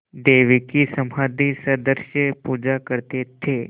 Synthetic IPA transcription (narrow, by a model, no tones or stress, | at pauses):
ɖ̪eːʋikisɐmaːd̪isəd̪əɾʃepuːd͡ʒakəɾt̪et̪ʰe